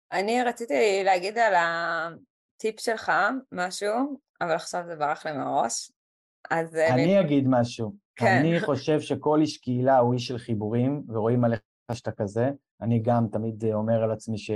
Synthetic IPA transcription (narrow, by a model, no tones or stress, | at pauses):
ʔaniʁat͡sit̪ileaɡid̪ala | t̪ipʃelχamaʃu | avalaχʃavzebaʁaχlimaʁo̞ʃ | azaniaɡid̪maʃukaniχo̞ʃe̞vʃe̞ko̞liʃkiːlauiʃelχibuʁimveʁo̞imale | aʃt̪akaze̞ | aniɡamt̪amid̪o̞me̞ʁalat͡smiʃe